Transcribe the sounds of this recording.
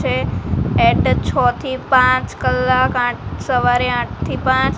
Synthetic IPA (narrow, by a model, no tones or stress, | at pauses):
eeɖt͡ʃʰɔt̪ʰipãt͡ʃkəlːakãʈʰsəʋaɾeãʈ̚ʰt̪ʰipãt͡ʃ